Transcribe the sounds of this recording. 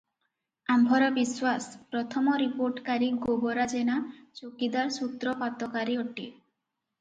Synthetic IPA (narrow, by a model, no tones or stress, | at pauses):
ambʱɔɾɔbiswaspɾɔt̪ʰɔmɔɾipoɾʈkaɾiɡobɔɾad͡ʒenat͡ʃokid̪aɾsut̪ɾɔpat̪ɔkaɾiɔʈi